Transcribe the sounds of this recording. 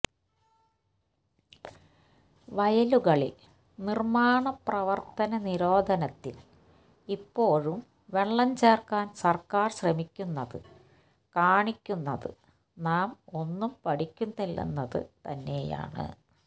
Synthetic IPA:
ʋɐjɐluɣɐɭḭl | nirmaːɳɐprɐʋɐrt̪ɐnɐniɾo̞ːd̪ʱɐnɐt̪ːil | ipːo̞ːɻum | ʋeɭːɐɲt͡ɕeːrkaːnsɐrkaːrɕrɐmikʲːunːɐðɨ̰ | kaːɳikʲːunːɐðɨ̰ | naːmo̞nːumpɐɽikʲːunːilːḛnːɐðɨ̰t̪ɐnːe̞ːja̰ːɳɨ̰

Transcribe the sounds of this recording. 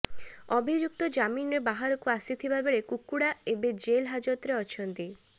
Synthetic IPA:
ɔbʱid͡ʒuk̚t̪ɔd͡ʒaminɔɾebaɦaɾɔkuasit̪ʰibabeɭekukːuɽaebed͡ʒelɦad͡ʒɔt̪ɾeɔt͡ʃʰɔnt̪i

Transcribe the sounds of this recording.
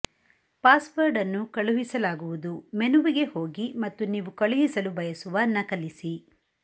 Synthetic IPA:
paːsʋɐɾɖɐnːukɐɭuɦisɐlaːɡuʋud̪umenuʋiɡe̞ho̞ːɡimɐt̪ːuniːʋukɐɭuɦisɐlubɐjɐsuʋɐnːɐkɐlːisi

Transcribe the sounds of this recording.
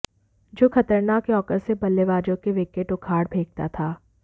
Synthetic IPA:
d͡ʒoːxɐt̪əɾnaːkjɔːkəɾsebɐlːeʋaːd͡ʒõkeʋɪkeʈʊkʰaːɽbʱeːɡ̚t̪at̪ʰaː

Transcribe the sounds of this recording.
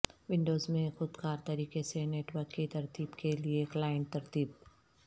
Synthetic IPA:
ʋɪ̃ɳɖoːzmẽxʊd̪kaːɾt̪ɐɾiːkeseneːʈʋəɾkːit̪ɐɾt̪iːbkʰelieklaːɪə̃ɳʈ̚t̪ɐɾt̪iːb̚

